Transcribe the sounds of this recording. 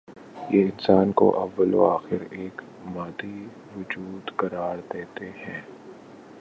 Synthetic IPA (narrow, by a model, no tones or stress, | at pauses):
jeːɪnsaːnko̰ʔɐʋːəlo̰aːxɪɾeːk | maːd̪i | ʋʊd͡ʒuːd̪kɐɾaːɾd̪eːt̪eɦɛ̃ː